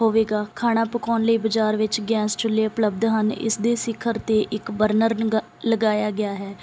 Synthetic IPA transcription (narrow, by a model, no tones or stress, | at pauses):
ɦoːʋeːɡaːkʰaːɽ̃aːpəkɔːnləiːbəd͡ʒaːɾʋɪt͡ʃɡɛ̃ːst͡ʃʊleːʊpləb̚d̪ɦənɪ̰sd̪eːsɪkʰːəɾt̪eːʔɪkbəɾnəɾ | ləɡaːjaːɡɪjaːɦɛː